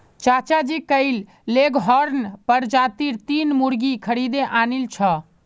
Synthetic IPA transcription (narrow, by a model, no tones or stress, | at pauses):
t͡ʃat͡ʃad͡ʒikəɪlː | eɡɦɔɾnpəɾd͡ʒat̪iɾt̪inmuɾɡikʰəɾid̪eʔanilt͡ʃʰɔ